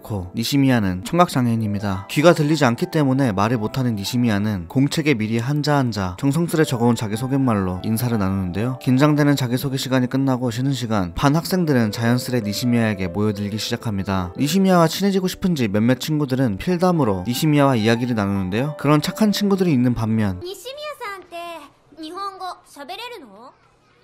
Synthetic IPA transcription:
kʰoniɕʰimianɯnt͡ɕʰʌŋɡak̚t͡ɕ͈aŋeɲimɲidakɥiɡatɯʎːid͡ʑiankʰit͈e̞mune̞maɾɯɭmotʰanɯnːiɕʰimianɯnkoŋt͡ɕʰe̞ɡe̞miɾiɦand͡ʑaɦand͡ʑat͡ɕʌŋsʰʌŋs͈ɯɾe̞t͡ɕʌɡʌunt͡ɕaɡisʰoɡinmaɭːoḭnsʰaɾɯɭnanunɯnde̞jokind͡ʑaŋde̞nɯnt͡ɕaɡisʰoɡeɕʰiɡaɲik͈ɯnːaɡoɕʰinɯnɕʰiɡanpanhak̚s͈e̞ŋdɯɾɯnt͡ɕajʌns͈ʰɯɾe̞niɕʰimiae̞ɡe̞mojʌdɯɭɡiɕʰid͡ʑakʰamɲidaniɕʰimiaɡat͡ɕʰinɦed͡ʑiɡoɕʰi̥pʰɯnd͡ʑimjʌmjʌt̚t͡ɕʰinɡudɯɾɯnpʰiɭdamɯɾoniɕʰimiawaiaɡiɾɯɭnanunɯnde̞jokɯɾʌnt͡ɕʰakʰant͡ɕʰinɡudɯɾiːnːɯnpamːjʌnniɕʰimiasʰaɦantʰe | niɦʌŋɡʌt͡ɕʌbeɾeɾɯno

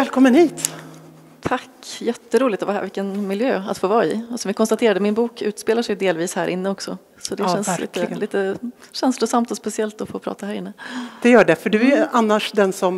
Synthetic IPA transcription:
vɛːlkʰɔmːənhiːt̪ | t̪ʰakːjɛt̪ːəɾuːlɪɡ̚t̪ɔvaæ̰vɪkːənmɪljøːa̰t̪foːvɑːɪ̰ɔsɔmjɪkʰɔnst̪at̪ʰeːɾad̪əmɪnbuːkʰʉ̟ːt̪speːlaʂɛjd̪eːlviːshæːɾʔɪnːəɔksɔ | sɔd̪ɛɕɛnslḭt̪ə̰liːt̪əɕɛnslʊsamt̪ɔspɛsɪɛlt̪ɔfoːpʰɾɑ̰ːt̪ahæːɾɪnːəd̪̥ɛjœːɖɛfœɖɵɛanːaʂd̪ɛnsɔm

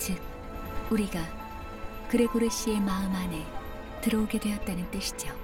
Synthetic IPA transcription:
t͡ɕɯk̚ | uɾiɡa | kɯɾe̞boɾɯɕ͈ie̞maɯmane | tɯɾʌuɡe̞dwe̞jʌt̚t͈anɯnt͈ɯɕʰi̥d͡ʑjo

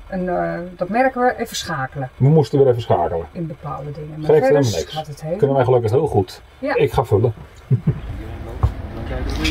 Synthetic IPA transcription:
əndɔtmɛrkəʋəʔɛfəsxaːkələməmustəʋəɾɛvəsχa̰ːkələɪnbəpa̰ːlˠdədɪŋəmɛkɛnnɪkstəthekønəʋɛjχəløkəχɦɪːlˠχut | ɪkχaːfølə

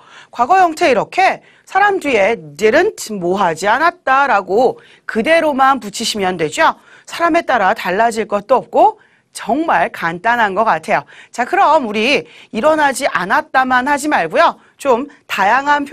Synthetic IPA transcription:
kwaɡʌjʌŋtʰe̞iɾʌkʰe̞ | sʰaɾamdɥie̞neɾɯntʰmoɦad͡ʑianat̚t͈aɾaɡo | kɯde̞ɾomanput͡ɕʰiɕʰimjʌndwe̞d͡ʑo | sʰaɾame̞t͈aɾataɭːad͡ʑiɭk͈ʌt̚t͈oʌp̚k͈o | t͡ɕʌŋmaɭkant͈anɦanɡʌk͈atʰe̞jot͡ɕakɯɾʌmuɾiiɾʌnad͡ʑiʔanat̚t͈amanhad͡ʑimaɭɡujo | t͡ɕomtajaŋɦanpʰ

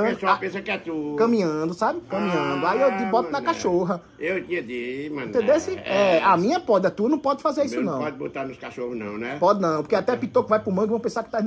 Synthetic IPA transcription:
ɐ̃sopẽsɐkɛt̪ukɐ̃mĩɲɐ̃d̪ʊsabɪkɐ̃mĩɲɐ̃d̪ʊaiewd̪ibɔt̪ʊnɐkaʃoɦɐ | ewt̪ĩɐd̪imɐ̃t̪ẽd̪esiɛamĩɲɐpɔd̪ɐt̪uɐnɐ̃w̃pɔd̪ɪfazeɾisʊnɐ̃w̃pɔd̪ɪbot̪aɾnʊskaʃohʊznɐ̰̃w̃nɛpɔd̪ɪnɐ̃w̃poɾkeat̪ɛpit̪okũvajpʊmɐ̃w̃kɪvɐ̃w̃pẽsakɪ̥t̪an

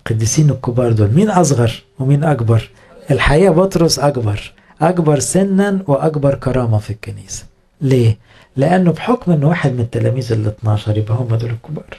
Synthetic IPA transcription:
qɑd̪ːisiːnʊkːʊbɑːɾˤd̪uːlmiːnʔɑs̬ˤɣɑɾˤwemiːnʔɑkbɑɾˤ | ʔelħajæːbot̪ˤɾosʔɑkbɑɾˤ | ʔɑkbɑɾˤsɪnːænwɪʔɑkbɑɾˤkɑɾˤɑːmæfikːæniːsæ̥ | leː | leʔænːʊbħokmʔɪnːwaːħed̪mɪnɪt̪ːælæmiːzelːet̪nɑːʃɑɾˤjɪbʔæhʊmːæd̪uːlɪkːʊbɑːɾˤ

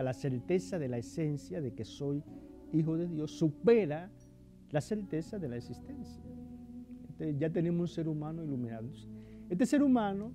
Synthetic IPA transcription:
alase̞ɾt̪e̞saðe̞laese̞nsjaðe̞ke̞so̞jixo̞ðe̞ðjo̞sːupe̞ɾa | lase̞ɾt̪e̞saðelaeksist̪ensja | et̪eʝat̪e̞ne̞mosunse̞ɾumãnoilumĩnãnd̪osee̞st̪ese̞ɾumãno

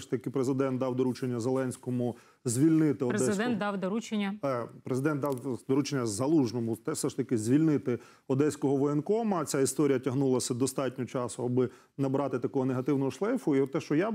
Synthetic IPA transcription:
ʃt̪ɐkɪpɾezɪd̪ɛnt̪d̪ɑwd̪ɔɾut͡ʃenʲːɐzelˠɛnʲsʲkɔmʊ | zʲʋʲilʲnɪt̪ɪɔdɾezɪd̪ɛnnt̪d̪ɑwd̪ɔɾut͡ʃenʲːɐpɾezɪd̪ɛnt̪ɑwd̪ɔɾut͡ʃenʲːɐzɐlˠuʒnɔmʊt̪ɛfsɛʃt̪ɐkɪzʲʋʲilʲnɪt̪ɪ | ɔd̪ɛsʲkɔɦɔʋɔenkɔmɐt͡sʲaist̪ɔɾʲijɐtʲɐɦnulˠɐsʲɐd̪ɔst̪ɑtʲnʲɔt͡ʃɑsʊɐbɪ | nɐbɾɑt̪ɪt̪ɐkɔɦɔneɦɐt̪ɪwnɔɦɔʃlˠɛjfʊit̪ːɛʃt͡ʃɔja

